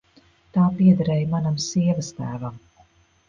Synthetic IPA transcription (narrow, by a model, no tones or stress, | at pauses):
t̪aːpiɛd̪aɾɛːjmanamsiɛvast̪æːvam